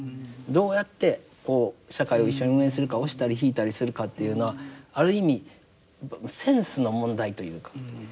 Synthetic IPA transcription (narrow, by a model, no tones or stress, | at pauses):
d̪o̞ːjat̪ːe̞ | ko̞ːɕakaio̞iɕːo̞ɲ̟iɯ̟̃ːẽ̞sɨɾɯ̟kao̞ɕi̥t̪aɾʲiçiːt̪aɾʲisɨɾɯ̟kat̪ːe̞jɯ̟ːno̞βaːɾɯ̟imʲi | sẽ̞ɰ̃sɨno̞mõ̞nd̪ait̪o̞jɯ̟̰ːkḁ